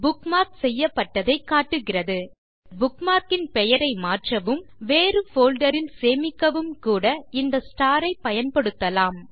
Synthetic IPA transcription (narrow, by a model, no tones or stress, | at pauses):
bʊkmaːɾksɛjːɐpːɐʈːɐðɐɪkːaːʈːɯɣɪrɐðɯ | bʊkmaːɾkɪnpɛjɐɾɐɪmaːʈrɐʋɯmʋeːɾɯfoːlɖɐɾɪnseːmɪkːɐʋɯmkuːɽɐɪnd̪ɐsʈaːɾɐɪpɐjɐnpɐɽɯt̪ːɐlaːm